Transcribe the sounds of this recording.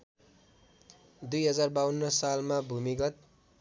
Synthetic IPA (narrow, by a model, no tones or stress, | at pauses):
d̪ujɦʌd͡zarbawʌnːʌsalmabʱumiɡʌt̪̚